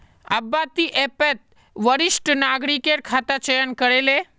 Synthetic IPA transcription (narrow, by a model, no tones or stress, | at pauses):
ə̰bːat̪iʔepet̪̚ | ʋəɾɪʃʈnaːɡɾikeɾkʰaːt̪at͡ʃəjənkəɾele